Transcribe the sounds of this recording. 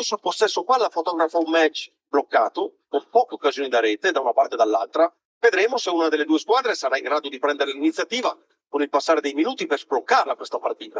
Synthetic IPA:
sopːost̪ːɛsːokwalafot̪ɔːɡɾafaumːɛt͡ʃː | blokːaːt̪okompɔːkeokːazjoːnid̪aɾɛːt̪ed̪aunapart̪ed̪alːa̰lt̪ɾa | ved̪ɾeːmoseuːnad̪elːed̪uːeskwaːd̪ɾesaɾaiŋɡɾaːd̪od̪ipɾɛnd̪eɾelinit̪sjat̪iːva | konilpasːaːɾed̪ejminuːt̪iperzblokːarlakwest̪apart̪iːt̪a

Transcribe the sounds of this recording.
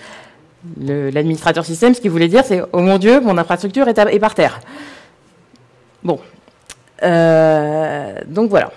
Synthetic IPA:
ləlad̪minist̪χat̪œʁsist̪ɛmsə̥kʲivulɛd̪iʁsɛomɔ̃d̪jømɔ̃nɛ̃fχast̪χyk̚t̪yʁɛt̪aɛpaʁt̪ɛːʁ | bɔ̃ | ø | d̪ɔ̃kvwala̰

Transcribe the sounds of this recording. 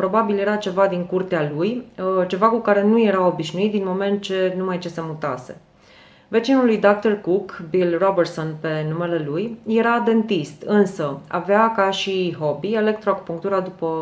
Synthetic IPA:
pɾo̞babilje̞ɾat͡ʃe̞vad̪iŋkurt̪ealujt͡ʃe̞vakukaɾe̞nuje̞ɾao̞biʃnuit̪̚d̪inmo̞me̞nt̪̚t͡ʃe̞numajt͡ʃe̞se̞mut̪a̰se̞̰ | ve̞t͡ʃinulujd̪ak̚t̪orkukbilrobersonpe̞nume̞le̞lujje̞ɾad̪e̞nt̪ist̪ɨnsəa̰veakaʃiɦo̞bie̞le̞k̚t̪ɾoakupuŋk̚t̪uɾad̪upə

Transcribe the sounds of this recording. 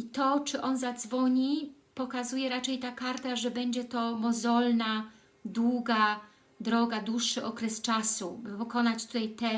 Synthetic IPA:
it̪ɔt͡ʂɘʔɔnzad̪zvɔɲi | pɔkazujɛɾat͡ʂɛjt̪akaɾt̪aʐɛbɛɲd͡ʑɛt̪ɔmɔzɔlna | d̪wuɡa | d̪ɾɔɡad̪uʂːɘʔɔkɾɛst͡ʂasubɘpɔkɔnat͡ɕt̪ut̪ajt̪ɛ

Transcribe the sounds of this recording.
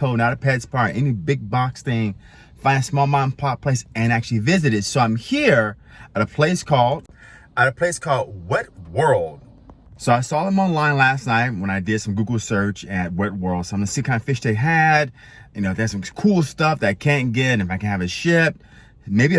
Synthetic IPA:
kʰoʊnaʊɾɨpʰɛdz̥pʰɑɹɾɛ̰nibɪɡ̚bɑksθɪ̃ŋ | fãɪ̃nɨsmɔlˠmãnpʰɑp̚pʰl̥eɪsɨ̃næk̚t͡ʃʉl̩ˠivɪzɨɾɨtsoʊãɪ̃mhiɹ | əɾəpʰl̥eɪskʰɔlˠd̥ | əɾɨpʰl̥eɪskʰɔlˠd̚wɛt̚wɜ˞lˠd̥ | soʊaɪsɔðə̃mɑ̃nlãɪ̃nlæsⁿnaɪt̚wə̃ñaɪdɪd̥sʌ̃mɡuɡl̩ˠsɜ˞t͡ʃɨt̚wɛt̚wɜ˞lˠd̥soʊãɪ̃mɨsikʰãɪ̃ndəfɪʃðeɪɦæd̚ | jɨnoʊðɨsʌ̃mkʰulˠstʌfðɨɾaɪkʰæ̃nɡ̥ɛɾɨ̃nɨfaɪkɨ̃n̩ɨvɨʃɪp̚ | meɪbi

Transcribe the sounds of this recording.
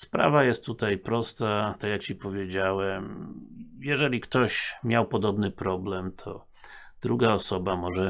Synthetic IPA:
spɾa̰vajɛst̪ːut̪ajpɾɔst̪at̪akjakt͡ɕipɔvʲjed͡ʑawɛm | jɛʐɛlʲikt̪ɔɕmʲjawpɔd̪ɔbnɘpɾɔblɛmt̪ʰɔ̰ | d̪ɾuɡaɔsɔbamɔʐɛ

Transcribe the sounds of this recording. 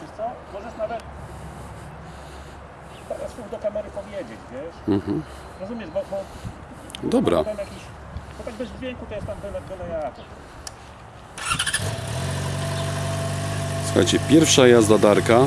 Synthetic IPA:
st̪sɔbɔzɛsnavɛt̪ | paɾassuɣd̪ɔkamɛɾɘpɔvʲjɛd͡ʑɛt͡ɕvʲjɛʂm̩ɦm̩ | ɾɔzumʲjɛʐbɔbɔ | d̪ɔbɾa̰t̪amjakʲiɕ | bɔt̪aɡbɛzvd͡ʑʲvʲjɛŋkut̪ɔjɛst̪amb̪ɨnɛbɨnajaat̪ɔt̪ | su̥xa̰jt͡ɕɛpʲjɛɾfʂajazd̪ad̪aɾka

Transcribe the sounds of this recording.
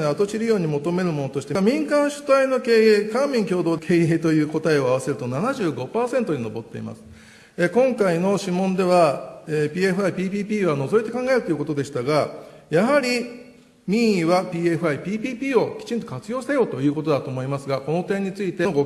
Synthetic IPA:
eat̪o̞t͡ɕiɾɯjo̞ːɲ̟imo̞t̪o̞me̞ɾɯ̟mo̞no̞t̪o̞ɕi̥t̪emʲĩŋkãɰ̃ɕɨ̥t̪aino̞ke̞ːeːkãmmʲĩŋkʲo̞ːd̪o̞ːkʰe̞ːeːt̪o̞jɯ̟ːko̞t̪aeo̞aβase̞ɾɯ̟t̪o̞nanaʑɨːɡo̞paːsẽ̞nt̪o̞ɲino̞bo̞t̪ːe̞̰ḭma̰sɨ̥ | ekõ̞ŋkaino̞ɕimːõ̞nd̪e̞βaeːpʲiːeɸɯ̟aipʲiːpʲiːpʲiːβano̞zo̞it̪e̞kãŋɡae̞ɾɯt̪o̞jɯ̟ko̞t̪o̞d̪e̞ɕi̥t̪aɡa | jaɦaɾʲi | mʲiβapʲiːe̞ɸɯ̟aipʲiːpʲiːpʲiːo̞kʲi̥t͡ɕĩnt̪o̞kat͡sɨjo̞ːɕt̪ejo̞ːt̪o̞jɯ̟ːko̞t̪o̞d̪at̪o̞ːmo̞imasɨɡako̞no̞t̪ẽ̞ɲ̟ːit͡sɨit̪e̞ɡo

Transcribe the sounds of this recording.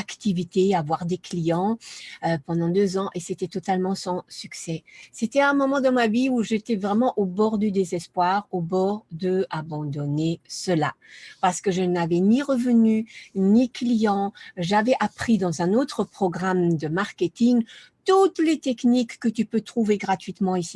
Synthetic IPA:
akt̪ivit̪eavwaʁd̪eklijɑ̃øpɑ̃d̪ɑ̃d̪øzɑ̃ʔeset̪ɛt̪ɔt̪almɑ̃sɑ̃syksɛset̪ɛɛ̃mɔmɑ̃d̪ɑ̃maviuʒet̪ɛvʁɛmɑ̃ʔobɔʁd̪yd̪ezɛspwaʁobɔʁd̪əabɑ̃d̪ɔnesəla̰paʁsə̥kəʒənavɛniʁəvənyniklijɑ̃ʒavɛʔapχid̪ɑ̃zɛ̃not̪χəpχɔɡʁamd̪əmaʁkʲet̪iŋ | t̪ut̪let̪ɛknikːət̪ypøt̪χuveɡʁat̪ɥit̪mɑ̃isi

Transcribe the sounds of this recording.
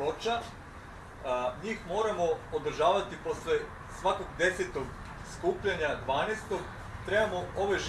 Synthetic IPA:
ot͡ʃa | ɲiːxmo̞ːɾamo̞od̪r̩ʒaːʋat̪ipo̞sle | sʋako̞ɡd̪e̞set̪o̞ɡ | skuːpʎaɲad̪ʋaːnest̪o̞ɡ | t̪ɾe̞bamoo̞ʋojʒ

